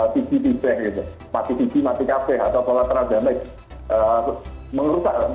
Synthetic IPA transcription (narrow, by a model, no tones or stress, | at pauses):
t̪ikip̪itɛhɡit̪ʊ | mat̪it̪ikimat̪ikapɛɦat̪awsolat̪əɾad̪a̤nək̚ | ə | məŋəɾut̪aʔ